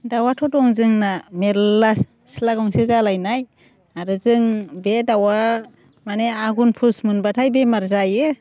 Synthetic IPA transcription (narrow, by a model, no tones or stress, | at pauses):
dawatʰɔtɔŋzɯŋnameɾlas | silaɡɔŋsezalajnaj | aɾɯzɯŋbedawa | maneaɡunpʰusmɯnbatʰajbemaɾzajɯ